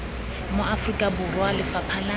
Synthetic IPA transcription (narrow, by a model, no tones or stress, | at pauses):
moʔafrikʼabʊrwalɪfapʰala